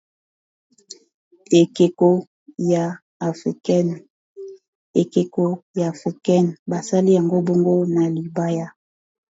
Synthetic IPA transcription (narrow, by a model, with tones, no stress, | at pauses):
e˨ke˨ko˦ | ja˨ | fi˨kn | e˨ke˨ko˨ja˨fi˨kɛ˦n˨ba˨sa˦li˦ja˨ŋɡo˦bo˦ŋɡo˦na˨li˨ba˦ja˦